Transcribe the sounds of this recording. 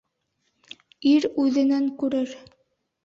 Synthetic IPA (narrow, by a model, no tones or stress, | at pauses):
iɾʉðɘ̆næŋkʉɾɘɾ